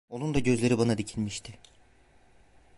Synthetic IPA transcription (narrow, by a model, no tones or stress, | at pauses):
o̞nund̪aɟø̞zlʲe̞ɾibanad̪icʰilʲmiʃt̪ʰɪ